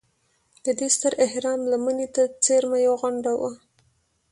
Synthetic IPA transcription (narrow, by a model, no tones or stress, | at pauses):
d̪̥əd̪est̪əɾɪhɾɑmlamənet̪at͡seɾmajawɣʊɳɖawə